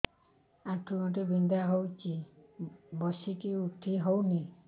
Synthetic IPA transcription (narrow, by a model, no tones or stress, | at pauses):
ãʈʰumɔʈibind̪aɦowt͡ʃi | bɔsikiuʈʰːiɦowni